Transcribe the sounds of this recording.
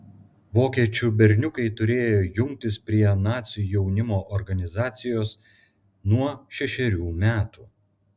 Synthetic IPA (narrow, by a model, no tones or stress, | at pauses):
ʋoːkʲiɛt͡ʃʲubʲɛɾʲnʲʊkɐɪt̪ʊɾʲeːjoːjʊŋʲk̚ʲt̪ʲɪspʲɾʲiɛnɑːt̪sʲujɛʊnʲɪmoːʔɔɾɡɐnʲɪzɑːt̪sʲɪjoːs | nuɔʃʲɛʃʲɛɾʲuːmʲæːt̪uː